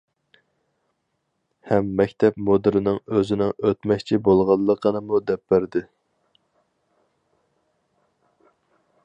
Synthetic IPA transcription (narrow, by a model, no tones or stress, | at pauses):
hɛmːɛkʲt̪ʰɛpmod̪ɪɾɪnɪŋøzɪnɪŋøt̪mɛkʲt͡ʃʰibolˠʁɑlˠːəqʰənɨmud̪ɛpːæɾd̪ɪ